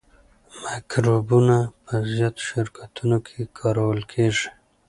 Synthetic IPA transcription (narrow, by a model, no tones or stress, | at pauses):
makɾubunapəzjɑt̪o̥ʃɪɾkʰat̪unokʰekʰɑɾawəlkʰeʐi̥